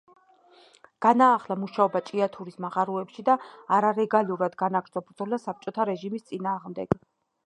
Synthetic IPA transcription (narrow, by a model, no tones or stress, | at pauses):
ɡ̥anaːχlamuʃaɔbat͡ʃʼiat̪ʰuɾismaʁaɾuɛpʃid̪aːɾaɾɛɡaluɾad̪ɡanaɡɾd̪zʰʼɔbɾd̪zɔlasap̚t͡ʃʼɔt̪ʰaɾɛʒimist̪sʼinaːʁmd̪ɛɡ̥